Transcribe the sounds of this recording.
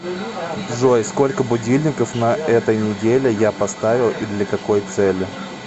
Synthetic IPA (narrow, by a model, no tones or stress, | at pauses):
ʐojsko̞lʲkəbʊdʲilʲnʲɪkəfnɐʔɛt̪əjnʲɪdʲelʲɪjapɐst̪avʲɪlˠid̪lʲɐkɐko̞jt̪sɛlʲːɪ